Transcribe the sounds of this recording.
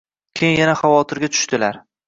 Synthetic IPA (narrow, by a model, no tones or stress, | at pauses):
kʲʰejɪnjanaχɑvɒt̪ʰɪɾɡʲat̪ʰʊ̥ʃt̪ɪlaɾ